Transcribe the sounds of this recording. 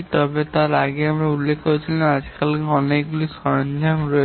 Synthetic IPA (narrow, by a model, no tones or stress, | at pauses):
t̪ɔbet̪aɾaɡeamɾaulːekʰkoɾet͡ɕʰilenad͡ʑkalkeɔnekɡulisɔɾɔnd͡ʒʱanɾɔe